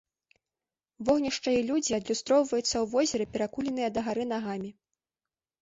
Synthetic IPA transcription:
vɔɣnʲiʂt͡ʂɐjɐlʲud͡zʲiɐd̪lʲust̪ɾɔwvɐjut̪sːɐwvɔzʲɛɾɨpʲɛɾakulʲɛn̪ɨjɐd̪ɐɣaɾɨnaɣamʲi

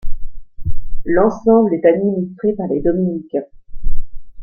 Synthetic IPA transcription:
lɑ̃sɑ̃blɛt̪ad̪minist̪χepaʁled̪ɔminikɛ̃

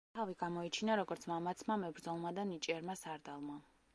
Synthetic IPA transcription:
aviɡamɔit͡ʃʰinaɾɔɡɔɾt̪sʰmamat̪sʰmamɛbɾd̪zɔlˠmad̪anit͡ʃʼɛɾmasaɾd̪alˠma

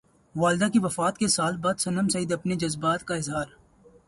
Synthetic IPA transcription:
ʋaːlɪd̪akiʋɐfaːt̪kesaːlbaːd̪sɐnəmsɐid̪ɐpned͡ʒɐzbaːt̪kaɪzɦaːɾ

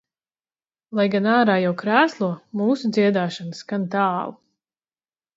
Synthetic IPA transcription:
lˠajɡanaːɾaːjawkɾæːslˠuɔmuːsud̪ziɛd̪aːʃansɡ̥ant̪aːlˠu

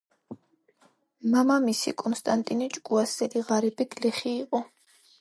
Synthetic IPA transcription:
mamamisḭkʼɔnst̪ʼant̪ʼinit͡ʃʼkʼuasɛliʁaɾibiɡlɛχiːqʼɔ

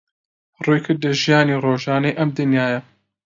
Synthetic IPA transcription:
ruːjkʰɨɾd̪lɐʒijaːniːroːʒaːnɐjʔɐmd̪ɨnjaːjɐ

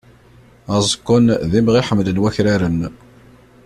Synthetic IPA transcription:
æzˤəkːʊnðimʁiħəmːd̪ənwæçɾaɾən

